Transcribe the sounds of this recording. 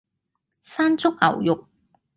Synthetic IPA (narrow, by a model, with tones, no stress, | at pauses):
saː˥nt͡sʊ˥k̚ɐ̰˨˩wjʊ˨k̚